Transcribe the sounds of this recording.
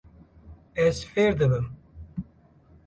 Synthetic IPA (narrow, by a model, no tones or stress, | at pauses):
ɛzfeːɾd̪ɨbɨm